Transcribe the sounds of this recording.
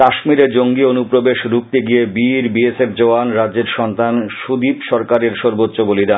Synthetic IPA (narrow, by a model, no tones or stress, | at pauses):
aʃmiɾeɾd͡ʑoŋɡionupɾobeʃɾuk̚t̪eɡijebiɾbiesefd͡ʑoanɾadːd͡ʑeɾʃɔnt̪anʃud̪ipʃɔɾkaɾeɾʃɔɾbot̪ːɕoboliɾa